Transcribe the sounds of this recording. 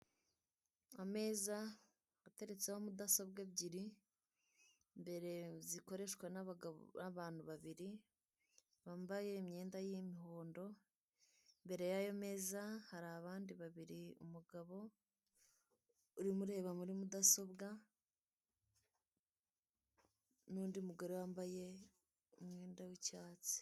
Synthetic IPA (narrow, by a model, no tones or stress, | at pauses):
ame̞ːza | ate̞ɾe̞t͡sehomudaso̞bɡebɟiɾi | mbe̞ɾe̞ziko̞ɾe̞ʃkwennaβaːn̥huβaβiɾi | βambaje̞imɲe̞ːndajimiɦo̞ːndo̞ | mbe̞ɾe̞jajo̞me̞ːzahaɾaːβaːndiβaβiɾiṵmuɡaβo̞ | uɾimuɾe̞ːβamuɾimudaso̞bɡa | nuːndiumuɡaɾowambaje̞ | umŋeːndawicaːt͡si̥